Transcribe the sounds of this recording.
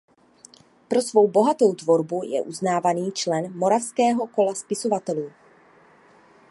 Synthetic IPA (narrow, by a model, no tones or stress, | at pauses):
pɾo̞svo̞wbo̞ɦat̪o̞wt̪vo̞ɾbujɛ̰ʔuznaːvaniːt͡ʃlɛnmo̞ɾafskɛːɦo̞ko̞laspɪsovat̪ɛluː